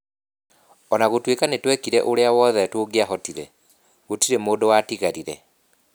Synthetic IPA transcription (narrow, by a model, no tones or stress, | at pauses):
ɔnaɣotwekanetwɛkiɾɛʔoɾeawɔðɛtoɡeaɦɔtiɾɛ | ɣotiɾemoːdowaːtiɣaɾiɾɛ